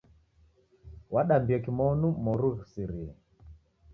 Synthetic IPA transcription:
waɗambiɔkimɔnumɔɾuɣsiɾi

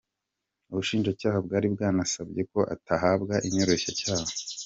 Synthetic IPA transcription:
uβuʃiːnʒacaːhabɡaːɾibɡaːnasabɟe̞ko̞ʔa̰taɦaːbɡaʔiɲo̞ɾe̞ʃacaːho

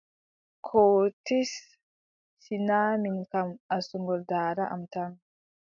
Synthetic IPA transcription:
kʰoːtisː | inaːmiŋkamasuŋɡɔldaːɾaʔa̰mtan

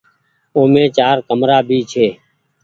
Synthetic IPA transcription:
oːmẽːt͡ʃaːɾkəmɾaːbʱiːt͡ʃʰeː

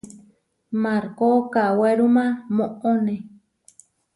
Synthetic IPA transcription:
maɾkokaweɾumãmõʔonẽ

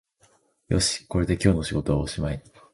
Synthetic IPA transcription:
jo̞̰ɕi̥ko̞ɾe̞d̪e̞kʲo̞ːno̞ɕiɡo̞t̪o̞βa̰oɕimai

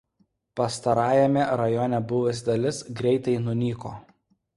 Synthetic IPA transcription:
pɐst̪ɐɾɑːjɛmʲɛɾɐjɔːnʲɛbʊʋʲʊs̬ʲd̪ɐlʲɪsɡɾʲɛɪt̪ɐɪnʊnʲiːkoː

